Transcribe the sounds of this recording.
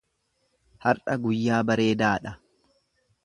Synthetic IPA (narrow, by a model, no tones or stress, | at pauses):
hɐɾʔɐɡʊjːaːbɐɾe̞ːd̪aːᶑɐ